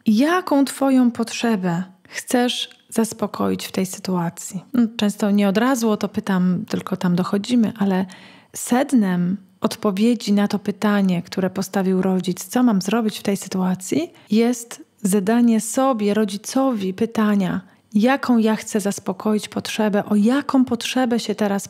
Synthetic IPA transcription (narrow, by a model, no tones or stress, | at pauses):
jakɔ̃w̃t̪fɔjɔ̃w̃pɔtʂɛbɛ | xt̪sɛʂ | z̥aspɔkʰɔ̰jit͡ɕft̪ɛjsɘ̥t̪uat̪sʲjinɔt͡ʂɛ̃st̪ɔɲɛɔd̪ɾazwɔt̪ɔpɘt̪amt̪ɘlkɔt̪amd̪ɔxɔd͡ʑimɘʔalɛ | sɛd̪nɛm | ɔt̪pɔvʲjed͡ʑinat̪ɔpɘt̪aɲɛkt̪uɾɛpɔst̪avʲiwɾɔd͡ʑit̪st̪sɔmamzɾɔbʲit͡ɕft̪ɛjsɘ̥t̪uat̪sʲji | jɛst̪zad̪aɲɛsɔbʲjɛɾɔd͡ʑit̪sɔvʲipɘt̪aɲa | jakʰɔ̃w̃jaxt̪sɛzaspɔkɔjit͡ɕpɔtʂɛbɛʔɔjakɔ̃w̃pɔtʂɛbɛɕɛt̪ɛɾas